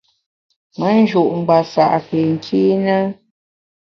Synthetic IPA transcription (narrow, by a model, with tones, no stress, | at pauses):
mə˦n̩˦d͡ʒu˨ʔŋ͡m̩˨ɡ͡ba˨sa˨ʔpe˨ŋ̩˨kʰi˦nə˦